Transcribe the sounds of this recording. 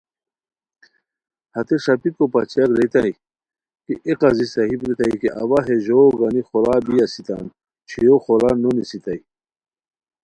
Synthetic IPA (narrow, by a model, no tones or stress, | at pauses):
hɐt̪eʂɐpikopɐt͡ɕiakɾet̪ai | kiʔeqɐzisɐɦibɾut̪ɐikeʔɐwaɦeʑoːɡɐnixolaːbiɐsit̪a̰ːn | t͡ɕʰijoxolanonisit̪ɐi